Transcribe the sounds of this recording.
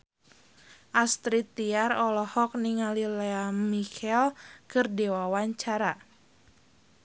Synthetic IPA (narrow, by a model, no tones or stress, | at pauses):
ʔast̪ɾit̪ːiarɔlɔhɔk̚niŋalileamikʰɛlkɨrdewawaɲt͡ʃaɾa